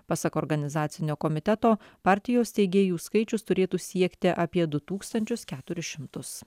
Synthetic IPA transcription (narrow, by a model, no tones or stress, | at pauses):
pɑsɐkɔːɾɡɐnʲɪzɑːt̪sʲɪnʲoːkɔmʲɪt̪ʲɛt̪oːpɑːɾʲt̪ʲɪjoːst̪ʲɛɪɡʲeːjuːskɐɪt͡ʃʲʊst̪ʊɾʲeːt̪uːsʲiɛkt̪ʲɪʔɑːpʲiɛd̪ʊt̪uːkst̪ɐnʲt͡ʃʲʊskʲæːt̪ʊɾʲɪʃʲɪmt̪ʊs